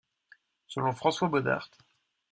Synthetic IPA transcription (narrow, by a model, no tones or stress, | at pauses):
səlɔ̃fχɑ̃swabɔd̪a̰ʁt̪